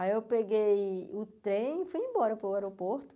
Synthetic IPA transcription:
ajewpeɡejʊt̪ɾẽj̃fujẽmbɔɾɐpɾʊɛɾopoɾt̪ʊ̥

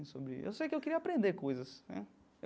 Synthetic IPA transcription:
sobɾɪ̰ḛwsejkɪewkɪɾiɐapɾẽnd̪eɾkojzɐsnɛ̰ | e

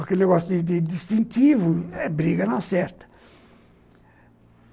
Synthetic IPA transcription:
ɐkelneɣɔsjud̪ɪd̪ɪd̪iʃt̪ĩnt̪ivuɛbɾiɣɐnasɛɾt̪ɐ̥

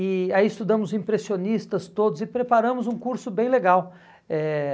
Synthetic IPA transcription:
ɪaiɪst̪ud̪ɐ̃mʊzĩpɾesionist̪ɐst̪od̪ʊzɪpɾepaɾɐ̃mʊzũkuɾsʊbẽj̃leɡaw | ɛ

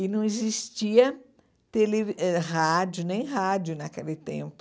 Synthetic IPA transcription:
ɪnɐ̃w̃ezist͡ʃiɐ | t̪elevɛhad͡ʒʊnẽj̃ɦad͡ʒjʊnakelɪt̪ḛ̃mpʊ

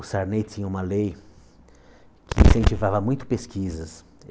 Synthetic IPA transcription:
ʊsaɾnejt̪ĩɲɐ̃ũmɐlej | kʰɪĩsẽnt͡ʃivavɐmũj̃t̪ʊ̥peskizɐs

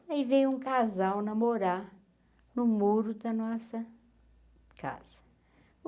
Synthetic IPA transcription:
ɐivẽj̃ũkazawnɐmoɾa | nʊmuɾʊd̪ɐnɔsɐ | kʰa̰z̥ɐ

